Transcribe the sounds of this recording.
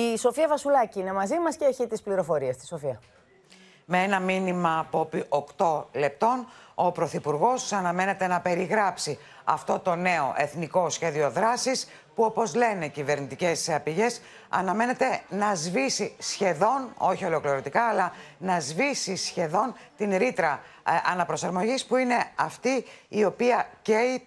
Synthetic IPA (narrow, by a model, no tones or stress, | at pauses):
iso̞fiɐvɐsulɐciine̞mɐzimɐsceeçit̪ispliɾo̞fo̞ɾiɐst̪i̥so̞fiɐ | meenɐminimɐːpo̞piʔo̞kt̪o̞le̞p̚t̪o̞no̞pɾo̞θipuɾɣo̞sɐnɐme̞ne̞t̪e̞nɐpe̞ɾiɣɾɐpsi | ɐ̰ft̪o̞t̪o̞ne̞o̞̰ʔe̞θniko̞sçe̞ðio̞ðɾɐsis | puo̞po̞zle̞ne̞cive̞ɾnit̪ice̞sɐpiʝe̞s | ɐ̰nɐme̞ne̞t̪e̞nɐzvisisçe̞ðo̞no̞̰çio̞lo̞kliɾo̞t̪ikɐːlɐnɐzvisisçe̞ðo̞nt̪inɾit̪ɾɐɐnɐpɾo̞sɐɾmo̞ʝispuine̞ɐft̪iːo̞piɐcei